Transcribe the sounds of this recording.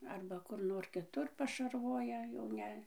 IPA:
ˈɐrbɐ ˈkʊr ˈnoːr kʲɪˈtʊr pɐʃɐrˈʋoːjɛ jɛʊ ˈnʲɛ

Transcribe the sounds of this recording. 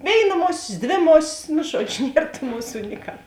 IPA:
ˈʋʲeːɪˌnɐ ˈmoːsʲeːs ˈdʲʋʲeː ˈmoːsʲɪs nʊ ˈʒuɔd͡ʒʲʊ ˈnʲiɛr tuː ˈmʊˌsuː nʲɪˈkɑː

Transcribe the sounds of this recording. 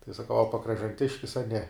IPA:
tɐɪ sɐˈkɐʊ ɐ pɐkrɐʒɐnʲˈtʲɪʃʲkʲɪs ɐ nʲɛ

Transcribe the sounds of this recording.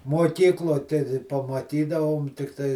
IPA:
muɔˈkʲiːklˠoː tʲɛ dʲɪ pɐmɐˈtʲiːdɐʋoːm tʲɪkˈtɐɪ

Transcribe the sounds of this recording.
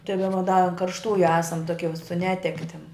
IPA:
tɐɪ dɐˈbɐ dɐ ɐn kɐrʃˈtuːjʊ ˈæːsɐm ˈtoːkʲiɛ sʊ ˈnʲæːtʲɛktʲɪm

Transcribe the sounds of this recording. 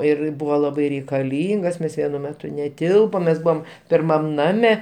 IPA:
ɪr ˈbʊʋoː ˈlˠɑːbɐɪ rʲɛɪkɐˈlʲiːŋɡɐs ˈmʲɛs ˈʋʲiɛnʊ ˈmʲæːtʊ nʲɛˈtʲɪlˠpoːm mʲɛs ˈbʊʋoːm pʲɪrˈmɐm ˈnɑːmʲɛ

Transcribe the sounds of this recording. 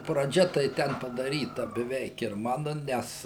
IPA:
prɐˈd͡ʒʲɛ tɐɪ ˈtʲɛn pɐdɐˈrʲiːtɐ bʲɛˈʋʲɛɪk ɪr ˈmɑːnʊ ˈnʲɛs

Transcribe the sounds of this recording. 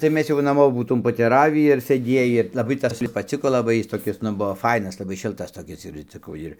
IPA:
tɐɪ ˈmʲɛs jɛʊ nɐˈmoː buːˈtuːm poːtʲɛˈrɑːʋʲiː ɪr sʲeːˈdʲiɛjiː lˠɐˈbɐɪ ˈtɐs pɐˈt͡sʲɪkoː lˠɐˈbɐɪ ˈjɪs toːˈkʲɪs ˈnʊ ˈbʊʋoː ˈfɐɪnɐs lˠɐˈbɐɪ ˈʃʲɪlˠtɐs toːˈkʲɪs ɪr ɪnʲt͡sʲɪˈkɐʊ ˈɪr

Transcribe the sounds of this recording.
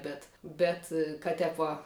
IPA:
ˈbʲɛt ˈbʲɛt kɐt ˈtʲɛp ʋɐ

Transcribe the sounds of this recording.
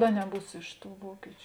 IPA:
ɐ nʲɛˈbuːs ˈɪʃ ˌtuː ˈʋuɔkʲɪt͡ʃʲʊ

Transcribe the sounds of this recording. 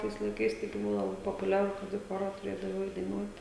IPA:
ˈtɐɪs lˠɐɪˈkɐɪs tɐɪˈɡʲɪ ˈbʊʋoː lˠɐˈbɐɪ poːpʊˈlʲæːrʊ ˈkɐt iː ˈxoːrɐ tʊˈrʲeːdɐʋɐɪ ˈɛɪt dɐɪˈnuɔt

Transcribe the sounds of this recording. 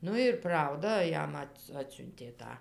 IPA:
ˈnʊ ɪr ˈprɐʊdɐ ˈjɛm ˈɐt ˈɑːtʲsʲʊnʲtʲeː ˈtɑː

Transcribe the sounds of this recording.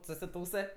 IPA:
sʊsʲɪˈtuːsɜ

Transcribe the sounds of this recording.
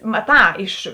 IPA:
mɐˈtɑː ɪʃ

